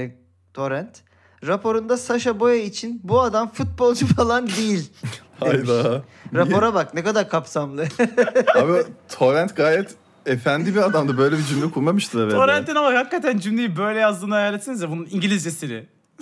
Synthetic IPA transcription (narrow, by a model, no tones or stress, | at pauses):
t̪ʰo̞ɾɛnt̪ | ɾapʰo̞ɾund̪asaʃabo̞jait͡ʃʰinbuad̪amfut̪̚bo̞lˠd͡ʒufalˠand̪ejilʲhajd̪aɾao̞ɾabaknɛkad̪aɾkʰapsamlˠɯ | abit̪ʰoɾɛnt̪ɡaːjɛt̪ | efænd̪ibiad̪amd̪abø̞jlʲɛbid͡ʒymlʲɛkʰulˠmamɯʃt̪ʰɯɾɛvɛoɾɛnt̪inamahakːat̪ʰænd͡ʒymlʲejibø̞jlʲɛjazd̪ɯːnɯajaːlʲet̪sinzjɛbununiɲɟilʲizɟesiɾɪ